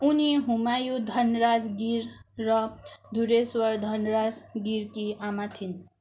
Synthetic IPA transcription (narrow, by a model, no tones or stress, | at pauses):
uniɦumajud̪ʱʌnɾad͡zɡiɾːʌd̪ʱuɾeswʌɾd̪ʱʌnɾad͡zɡiɾkiamat̪ʰin